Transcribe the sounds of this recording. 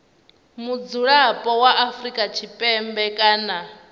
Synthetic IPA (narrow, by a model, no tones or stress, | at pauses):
mud͡zuɺapʼɔwaʔafɾikʼat͡ʃʰipʼɛmbɛkʼaːna